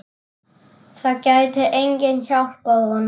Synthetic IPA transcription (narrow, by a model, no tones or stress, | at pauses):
θaðcaɥt̪ʰɪʔejɲcɪnçawl̥koðɣɔn